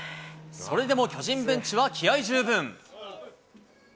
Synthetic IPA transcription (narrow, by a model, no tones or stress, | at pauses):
so̞ɾe̞d̪e̞mo̞kʲo̞ʑĩmbɯ̟̃ɲ̟t͡ɕiβakʲiaiʑɨːbɯ̃ŋ